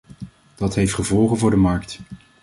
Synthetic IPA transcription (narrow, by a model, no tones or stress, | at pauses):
d̥ɑtɦejftχəvɔlˠχənvʊːɹdəmɑɹkt